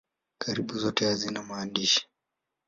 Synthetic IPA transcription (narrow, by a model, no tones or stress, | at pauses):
kaɾiɓuzɔtɛhazinamaːndiʃi̥